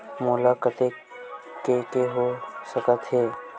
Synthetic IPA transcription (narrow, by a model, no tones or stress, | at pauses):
mulakət̪e | kekeɦosəkət̪ɦeː